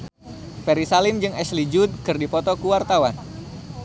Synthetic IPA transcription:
fɛɾisalɪmd͡ʒɨŋɛslid͡ʒud̪̚kɨrdipɔt̪ɔkuwart̪awan

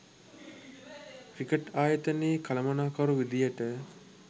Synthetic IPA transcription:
kɾikəʈaːjət̪əneːkɐlɐmɐnaːkɐɾuʋid̪ijəʈə

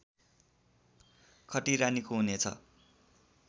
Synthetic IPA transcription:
kʰʌʈiɾanikoɦunet͡sʰʌ̰

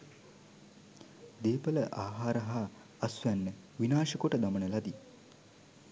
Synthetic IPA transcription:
d̪eːpələʔaːɦaːɾəɦaː | ɐsʋænːə | ʋinaːʃəkoʈəd̪amənəlɐd̪i

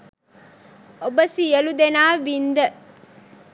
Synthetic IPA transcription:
obɐsijɐlud̪enaːʋind̪ə

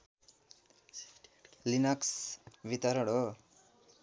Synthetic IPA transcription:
linʌksbit̪aɾʌɽo

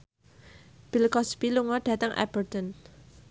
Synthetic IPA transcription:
b̥ilkɔspiluŋɔɖ̥ä̤t̪əŋʔɛ̰b̥ərt̪ɔn

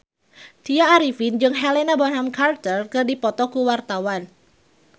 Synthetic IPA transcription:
t̪iaːɾifind͡ʒɨŋɦɛlenabɔnɦamkart̪ərkɨrdipɔt̪ɔkuwart̪awan

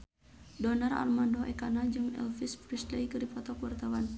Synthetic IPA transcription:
dɔnara̰rmandɔʔɛkanad͡ʒɨŋɛ̰lfispɾisləjkɨripɔt̪ɔkuwart̪awan

